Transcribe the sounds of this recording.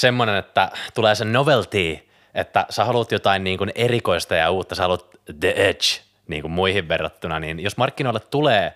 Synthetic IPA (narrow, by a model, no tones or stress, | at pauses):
semːonenet̪ːæt̪uleːsennoʋelt̪iː | et̪ːæsehɑlut̪jot̪ɑinniːŋkunerikoist̪ɑjɑuːt̪ːɑsehɑlut̪̚ | d̪eʔet͡ʃ | nḭːŋkummuihiʋʋerːɑt̪ːunɑniːnjosmɑrkːinoilːet̪t̪uleː